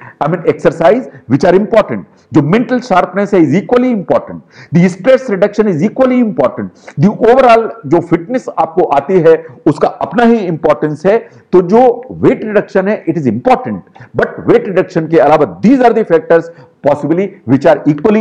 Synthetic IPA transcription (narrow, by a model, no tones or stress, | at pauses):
aɪmĩːneksəɾsaːɪzʋɪt͡ʃaːɾɪ̃mpɔːɾʈə̃ɳʈ̚ | d͡ʒoːmɛ̃ɳʈəlʃaːɾpnɛsɦɛɪziːkwəliɪ̃mpɔːɾʈə̃ɳʈ̚d̪isʈɾɛsɾɪɖɐkʃə̃nɪziːkwəliɪ̃mpɔːɾʈə̃ɳʈd̪iʔoːʋəɾɔːld͡ʒoːfɪʈnesaːp̚koʔaːt̪iɦɛʊskaʔɐpnaɦiɪ̃mpɔːɾʈə̃nsɦɛ | t̪od͡ʒoːʋeːʈɾɪɖɐkʃə̃nɦɛʔɪʈɪzɪ̃mpɔːɾʈə̃ɳʈ̚bɐʈʋeːʈɾɪɖɐkʃə̃nkeɐlaːʋad̪iːzaːɾd̪ifɛːk̚ʈəɾz | pɔːsɪbliʋɪt͡ʃaːɾiːkʋəli